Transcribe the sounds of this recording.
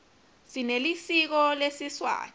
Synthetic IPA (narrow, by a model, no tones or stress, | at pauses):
sinelisik̬ɔlesiswa̰ː